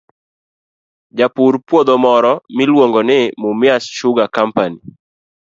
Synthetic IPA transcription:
d͡ʒapuɾpwod̪omɔɾɔmɪlwoŋɡonɪmʊmɪasʃʊɡakampani

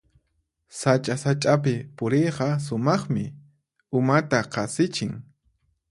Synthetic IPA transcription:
sat͡ʃʼasat͡ʃʼap̬ɪpʊɾejqɑs̬ʊmɑχmɪ | ʊmat̪aqɑsɪt͡ʃɪŋ

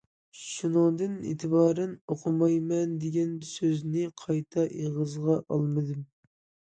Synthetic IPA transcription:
ʃunəŋd̪ɨnḛːt̪ʰɪbɑːɾɛnoqʰʊmɑjmɛnd̪eɡʲɛnsøznɪqʰɑjt̪ʰɑʔeʁəzʁɑʔɑlˠmɨd̪ɨm

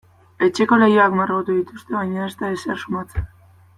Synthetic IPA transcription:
et͡ʃeko̞lejoakmarɣot̪uðit̪ust̪e̞βajɲaest̪aeseɾʃumat͡sen

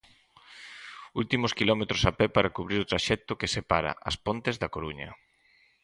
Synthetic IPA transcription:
ult̪imʊskilɔmet̪ɾʊsapɛpaɾakuβɾiɾʊt̪ɾaʃɛk̚t̪ʊkesepaɾɐ̰ʔɐ̰spont̪ezðɐkoɾuɲɐ̰

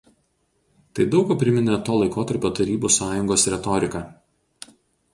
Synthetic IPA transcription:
t̪ɐɪd̪ɒʊkɐpʲɾʲɪmʲɪnʲɛt̪oːlˠɐɪkoːt̪ɐɾʲpʲoːt̪ɐɾʲiːbuːsɑːjʊŋɡoːsɾʲɛt̪ɔɾʲɪkɑː

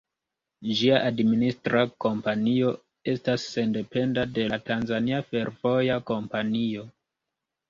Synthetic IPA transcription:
d͡ʒiaʔadministɾako̞mpanio̞ | e̞stasːe̞nde̞pe̞ndade̞latanzaniafe̞ɾvo̞jako̞mpanio̞

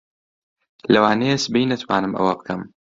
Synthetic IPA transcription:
lɐwaːnejesbejnɐt̪ʰwaːnɨmʔɐ̰wɐbɨkʰɐm

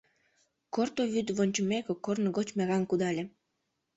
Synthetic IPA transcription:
kort̪oβyt̪βonʲt͡ɕə̆mekokornɣot͡ɕmeɣɑnkud̪ɑlʲĕ

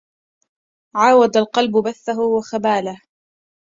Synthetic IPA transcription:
ʕaːwad̪alqɑlbʊbaθːaɦʊwaxabaːlah

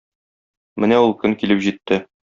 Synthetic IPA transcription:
mɘnæulˠkɵŋkilɘpʑit̪ːɘ

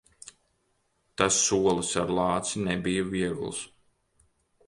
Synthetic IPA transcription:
t̪asːuɔlˠɨsaɾlˠɑːt̪sinɛbijɐviɛɡṵlˠs

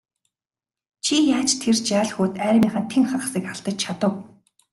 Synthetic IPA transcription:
t͡ɕʰijaːt͡ɕt̪ʰert͡ɕaːɮxuːt̪æːɾ̆ʲmʲiːχə̆nt̪ʰeŋχaχsiːkaɬt̪ə̆t͡ɕt͡ɕʰat̪ə̆w

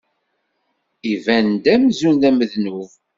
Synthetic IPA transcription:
ivænd̪æmzunðæməðnuv

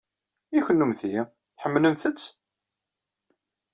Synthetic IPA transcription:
içənːumθi | θħəmːlənθət͡sː

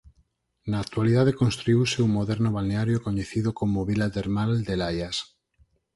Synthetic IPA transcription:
naːk̚t̪ualiðaðekonst̪ɾuiwseumoðɛɾnoβalneaɾjokoɲeθiðokomoβilat̪eɾmald̪elajas

